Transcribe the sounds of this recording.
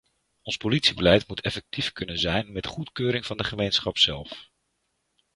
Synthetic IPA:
ɔnspolitsibəlɛjtmutʰɛfɛk̚tifkɵnənzɛjnmɛtχutkøːɾɪŋv̥ɑndəχəmejnsχɑpsɛlˠf

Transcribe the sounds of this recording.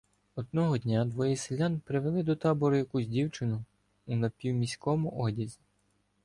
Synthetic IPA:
ɔd̪nɔɦɔd̪ʲnʲad̪ʋɔjiselʲanpɾɪʋelˠɪd̪ɔt̪ɑbɔɾʊjɐkusʲdʲiwt͡ʃɪnʊ | ʊnɐpʲiwmʲisʲkɔmʊʔɔdʲizʲi

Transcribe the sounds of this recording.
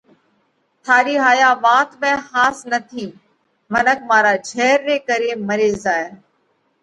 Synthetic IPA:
t̪ʰaːɾiːɦaːjaːʋaːt̪mɛ̃ːhaːsnət̪ʰiː | mənəkʰmaːɾaːd͡ʒʱɛːɾːeːkəɾeːməɾeːzaːe

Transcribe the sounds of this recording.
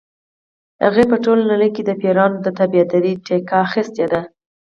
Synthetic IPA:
ha̰ɣepəʈolnanəjked̪əpeɾɑnod̪ət̪abiad̪aɾiʈekaːxist̪ed̪a

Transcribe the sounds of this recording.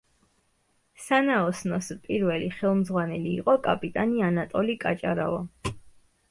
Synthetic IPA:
sanaɔsnɔspʼiɾvɛliχɛlˠmzʁwanɛliːqʼɔkʼapʼit̪ʼanianat̪ʼɔlikʼat͡ʃʼaɾa̰vɔ

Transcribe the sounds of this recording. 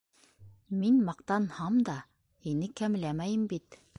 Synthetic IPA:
minmɑqt̪ɑnhɑmd̪ɑ | hinɘkæm̆læmæjɘmbit̪

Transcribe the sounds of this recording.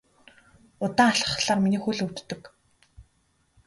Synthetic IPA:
ʊt̪aːŋaɬə̥̆χɮaːqminiːxuɮɵw̥t̪ːɵ̆k

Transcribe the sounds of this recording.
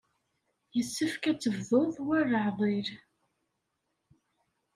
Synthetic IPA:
jəsːəfkæt͡sːəvðoðˤwærːəʕðˤiɾ

